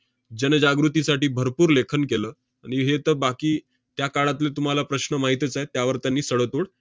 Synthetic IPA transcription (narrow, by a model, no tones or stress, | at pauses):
d͡ʑənəd͡ʑaɡɾut̪isaʈiːbʱəɾpuːɾlekʰənkeləː | aɽ̃iɦet̪əbakiː | t̪jakaɽat̪̬let̪um̤alapɾəɕnəmaɦit̪ət͡saet̪jaʋəɾt̪janːiːsəɽət̪oɽ